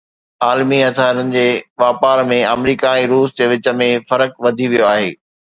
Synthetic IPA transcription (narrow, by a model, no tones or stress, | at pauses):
aːlmiɐt̪aːɾənɪ̆d͡ʑeːʋaːpaːɾmẽɐmɾiːkaɛ̃ːɾuːsd͡ʑeːʋɪt͡ɕə̆mẽfɐɾəkʋɐd̪ʱiʋijoaːɦḛː